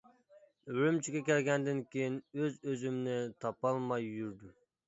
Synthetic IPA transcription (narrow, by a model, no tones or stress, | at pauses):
ølymt͡ʃʰiɡʲɛkʲʰælɡʲɛnd̪ɪnkʲʰejinøzøzymnɪt̪ʰɑpɑlˠmɑjːyɾd̪y